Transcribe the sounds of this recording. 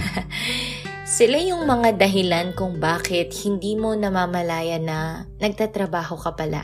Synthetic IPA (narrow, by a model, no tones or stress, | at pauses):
sɪlajʊŋmɐŋad̪ɐɦɪlankʊŋbaːkɛt̪̚hɪnd̪iːmo̞nɐmaːmɐlaːjɐnɐ | nɐɡ̚t̪at̪ɾɐbaːho̞kɐpɐlʔa̰